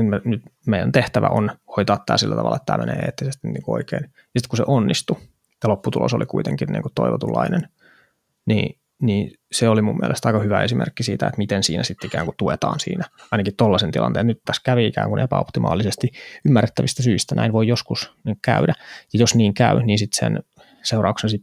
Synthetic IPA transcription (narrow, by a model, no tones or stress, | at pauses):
menyt̪meijænt̪eht̪æʋæ̰ʔonhoit̪ɑːt̪ːæ̰ːsilːæt̪ɑ̰ʋɑ̰lːʔɑet̪ːæ̰ːmḛnḛːḛːt̪ːisest̪inniːkuoikeːn | jɑsit̪kusḛʔonːist̪u | jɑlopːut̪ulo̰solikuit̪ḛŋkinnḭːŋkut̪ːoiʋot̪ulːɑ̰inen | nḭː | niː | seolimumːiæ̰lʔest̪ɑikɑhyʋæesimḛrkːisiːt̪æet̪mit̪ensḭːnæsit̪ːikæːŋkut̪uet̪ɑ̰ːnsḭːnæɑinɑkitt̪olːɑsent̪ilˠʔɑ̰nt̪eːt̪nyt̪t̪æskæʋiikæ̰ːŋkunepæopt̪imɑ̰ːlːisest̪iymːærːet̪ːæʋist̪æsyist̪ænʔæ̰inʋoijoskusniŋkkæydæjɑjosniːŋkæyniːnsit̪sḛn | seurɑuksensi